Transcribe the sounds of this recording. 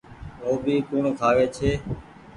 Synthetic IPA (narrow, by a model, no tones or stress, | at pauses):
oːbʱiːkuːɳkʰaːʋeːt͡ʃʰeː